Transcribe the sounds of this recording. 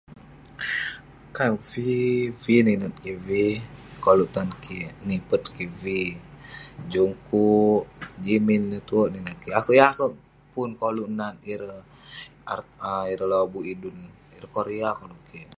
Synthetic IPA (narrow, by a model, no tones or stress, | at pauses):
kanfifininut̪̚kivikoluʔt̪ankʰinipət̪̚kivi | d͡ʒuŋkuʔd͡ʒiminːət̪uoʔninakiakuʔjakəʔ | punkoluʔnaniɾə | a̰əiɾəlobuidun | iɾəkoɾeakoluʔki